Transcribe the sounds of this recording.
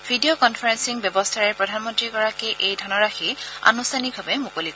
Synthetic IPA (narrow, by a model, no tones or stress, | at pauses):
bʱidiokɔnfʰɔɹɛnsiŋbjɔbɔstʰaɹɛɹpɹɔdʱanmɔntɹikɔɹakɛʔejdʱɔnɔɹaxia̰nustʰaniɡ̚bʱabɛmukolik